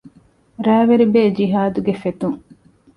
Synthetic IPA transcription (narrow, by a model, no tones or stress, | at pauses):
ɾæːʋeɾibeːd͡ʒiɦaːd̪uɡefet̪uŋ